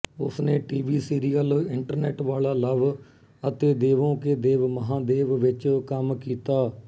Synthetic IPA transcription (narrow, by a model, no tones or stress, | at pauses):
ʊsneːʈiːʋiːsiːɾijəlɪɳʈəɾnɛːʈʋaːlaːləʋ | ət̪eːd̪eːʋõːkeːd̪eːʋməɦãːd̪eːʋʋɪt͡ʃkəmkiːt̪aː